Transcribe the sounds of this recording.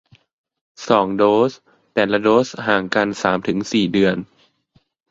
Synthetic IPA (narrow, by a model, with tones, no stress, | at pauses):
sɔː˩˦ŋdoː˦˥s | t̪ɛː˨˩nla˧doː˦˥shaː˨˩ŋka˧nsaː˩˦mt̪ʰɯ˩˦ŋsiː˨˩dɯ˧ən